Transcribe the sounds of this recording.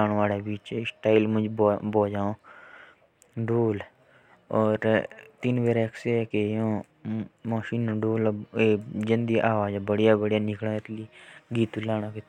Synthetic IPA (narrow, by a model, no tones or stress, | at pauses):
aːnːaːleːbiːt͡ʃsʈaːilmʊ̃d͡ʒboːd͡ʒaːõː | ɖoːl | ɔːɾt̪ɪnʋeːɾeksekejõː | maːʃiːnːɖoːleːd͡ʒə̃nd̪iʔaːʋaːd͡ʒbəɽjaːbəɽjaːnɪkɽãːɪt̪liːɡiːt̪ulaːɽ̃ãːke